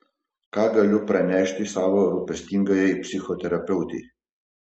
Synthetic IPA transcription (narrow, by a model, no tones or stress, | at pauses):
kaːɡɐlʲopɾɛnʲɛːʃt̪isaːʋɔɾupɛst̪iŋɡɐjɛpsʲixɔt̪ɛɾɐpɛwt̪ḭ